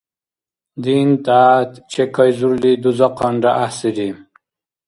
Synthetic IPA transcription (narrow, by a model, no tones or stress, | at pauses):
d̪int̪aːt̪t͡ɕʰekɐjzuɾlid̪uzaqaɳɖaʔasiɾi